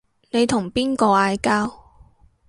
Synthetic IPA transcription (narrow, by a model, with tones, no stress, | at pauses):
ne˨˧jt̪ʰʊ˨˩ŋpiː˥nkɔː˧aː˧jkaː˥w